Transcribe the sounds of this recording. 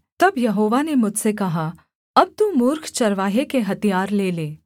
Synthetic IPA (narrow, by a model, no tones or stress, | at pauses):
t̪ɐbjɐɦoːʋanemʊd͡ʒsekɐɦa | ɐb̚t̪ũːmʊɾkʰt͡ʃɐɾʋaːɦekeɦɐt̪ijaːɾleːleː